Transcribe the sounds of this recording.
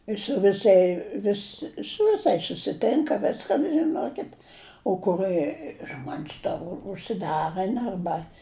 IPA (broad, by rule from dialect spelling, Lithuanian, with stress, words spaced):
ɪs sʊ ʋʲɪˈsɐɪ ˈʋʲɪs sʊ ʋʲɪˈsɐɪs sʊsʲɪˈtʲɪŋkɐ ˈʋʲɪskɐn ʒʲɪˈnoːkʲɪt oː kʊˈrɜ ˈʒmoːnʲsʲ tɐ ʊʃʲsʲɪˈdɑːrɜn ɐrˈbɐ